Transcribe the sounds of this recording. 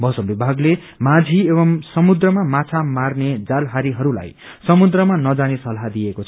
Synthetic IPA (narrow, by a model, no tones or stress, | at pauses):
bʱʌsʌbibʱaɡle | mad͡zʱiebʌmsʌmud̪rʌmamat͡sʰamarned͡zalɦaɾiɦʌɾula̰jsʌmud̪rʌmanʌd͡zanesʌlɦad̪iekot͡sʰʌʌ